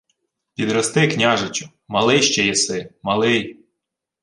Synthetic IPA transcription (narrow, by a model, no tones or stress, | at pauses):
pʲid̪ɾɔst̪ɪknʲɑʒet͡ʃʲʊ | mɐlˠɪjʃt͡ʃɛjɛsɪmɐlˠɪj